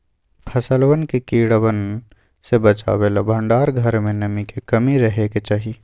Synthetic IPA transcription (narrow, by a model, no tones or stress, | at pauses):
pʰəsəlwənkekiːɽwən | sebət͡ʃa̰ːweːlabʱə̃ɳɖaːɾɡʱɐɾmẽnɐmikekɐmiɾɐɦeket͡ʃaːɦi